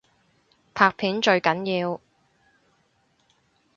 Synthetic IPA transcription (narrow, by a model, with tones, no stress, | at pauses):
pʰaː˧k̚pʰiː˨˥nt͡ʃɵ˧ɥkɐ˨˥njiː˧w